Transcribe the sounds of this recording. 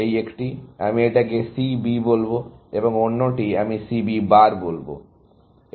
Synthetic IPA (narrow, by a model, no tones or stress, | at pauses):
ejekʈia̰mieʈakesibibolboeboŋonːoʈiamisibibaɾbolbo̰